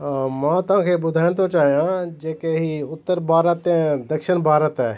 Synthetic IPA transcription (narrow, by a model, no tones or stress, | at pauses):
mãːt̪ʊɦãːkʰebʊd̪ʱaːɪnt̪ot͡ʃaːɦijãd͡ʒeːkeɦiʊt̪ːəɾbʱaːɾət̪ɛ̃d̪əkʃɪnbʱaːɾət̪ɛː